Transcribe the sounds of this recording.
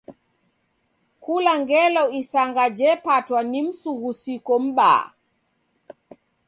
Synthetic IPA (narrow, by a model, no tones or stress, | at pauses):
kulaŋɡɛlɔisaŋɡad͡ʒɛpatwanim̩suɣusikɔm̩ɓa̰ː